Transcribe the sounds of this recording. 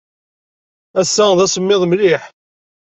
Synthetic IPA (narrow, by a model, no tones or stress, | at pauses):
æsːæðæsəmːɪðˤmlɪħ